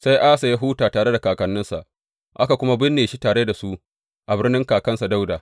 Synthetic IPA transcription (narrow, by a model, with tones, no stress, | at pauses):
sa˦jʔa˦sa˨ja˦ɦuː˦taː˨taː˨ɽe˦da˨kaː˨kɐ˨nːɪ˦nsa̰˨ʔ | ʔa˦ka˨kʷʊ˦ma˦bɪ˦nːeː˨ʃi˦taː˨ɽe˦da˨su˦ʔ | ʔa˨bɪ˦rnɪ˦ŋkaː˨kɐ˦nsa˨da˦wdaː˨